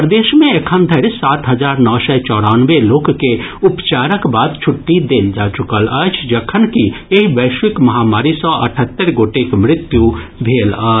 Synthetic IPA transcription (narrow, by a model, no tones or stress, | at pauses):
pɾəd̪eːʃmẽekʰənd̪ʱəɾsaːt̪ɦəd͡ʒaːɾnɔːsɛt͡ʃɔːɽanʋeloːkkːeʊpt͡ʃaːɾəkbaːd̪t͡ʃʰʊʈːid̪eːld͡ʒaːt͡ʃʊkələt͡ʃʰd͡ʒəkʰənkieɦiʋəːʃʋɪkmɐɦaːmaːɾisɔʔɐ̰ʈʰət̪ːəɾɡoːʈekmɾɪt̪jubʱeːləː